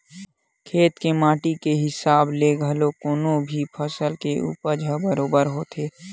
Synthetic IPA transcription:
kʰeːt̪kemaːʈikeɦɪsaːbleɡʱəlokoːnõbʱipʰəsəlkeʔṵːpəɾd͡ʒʱəbəɾoːbəɾɦoːt̪ʰeː

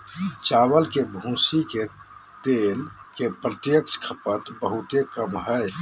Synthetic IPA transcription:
t͡ʃawəlkebʱũsiket̪elkepɾət̪jəkskʰəpət̪bəɦut̪ekəmɦəj

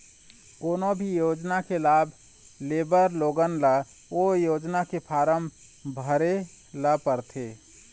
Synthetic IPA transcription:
koːnobʱijoːd͡ʒnakelaːbʱ | leːbəɾloːɡənlə | ojoːd͡ʒnakepʰaːɾəm | bʱəɾe | ləpəɾt̪ʰeː

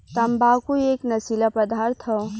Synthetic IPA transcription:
t̪ɐmbaːkueːknɐsilapɐd̪aːɾt̪ʰɦo

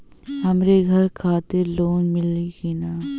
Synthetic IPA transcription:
hɐmɾeɡʱɐɾkʰaːt̪ɪɾloːnmɪlikinaː

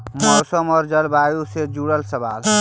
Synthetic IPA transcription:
mmɔɾsəmɔːɾd͡ʒəlbajused͡ʒuɽəlsəba̰ːl

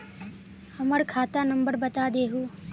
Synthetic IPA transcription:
hɐmɐɽkʰaːt̪aːnɐmbəɾbɐt̪aːd̪eːɦuː

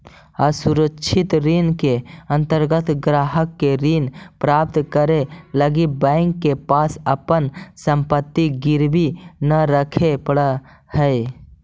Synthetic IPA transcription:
əsuɾəːʃʰit̪ɾinkeə̃nt̪əɾɡət̪ɡɾaɦəkːeɾinpɾap̚t̪kəɾeləɡibə̃ɪŋkːepasəpənsəmpət̪ːiɡiɾbinəɾəkʰepəɽə | həj

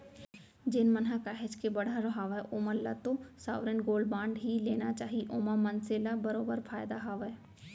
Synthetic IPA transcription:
d͡ʒɪnmənɦãkaːɦɪd͡ʒkebɐɽ̤aɾoɦaːʋaʔoːmɐlːa̰t̪osa̰ːʋɾənɡoːlbãːɳɖɦileːnat͡ʃaːɦiʔoːmãmɐnselabɐɾoːbəɾfʰaːjd̪aɦaːʋəe

